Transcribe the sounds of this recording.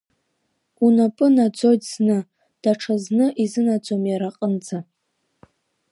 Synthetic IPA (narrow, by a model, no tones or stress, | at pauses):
unapʼɨnad͡zo̞jtsnɨ | d̥aʈ͡ʂʰaznɨʔizɨnad͡zomjaɾaqʼənd͡za